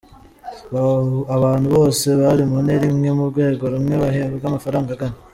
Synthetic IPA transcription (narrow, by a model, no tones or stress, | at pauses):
aβaːn̥huβo̞ːse̞βaɾimuneɾimŋe̞muɾɡwe̞ːɡo̞ɾumŋeβaheeɡamafaɾaːŋɡaɡane